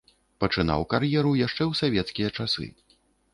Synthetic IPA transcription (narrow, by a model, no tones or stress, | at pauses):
pɐt͡ʂɨn̪a̰wkarjɛɾujaʂt͡ʂɛwsavʲɛt̪skʲijɐt͡ʂasɨ̰